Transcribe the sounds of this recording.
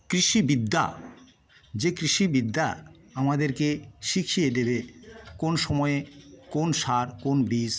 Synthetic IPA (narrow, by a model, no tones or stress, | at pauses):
kɾiʃibid̪ːa̰ | d͡ʑekɾiʃibid̪ːa̰ | amad̪eɾkeʃikʰijed̪ebekonʃɔmɔekonʃaɾkonbis